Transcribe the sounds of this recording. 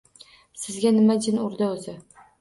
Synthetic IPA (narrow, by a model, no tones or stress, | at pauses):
sɪzɡʲanɪmad͡ʒɪnʊɾd̪aozɪ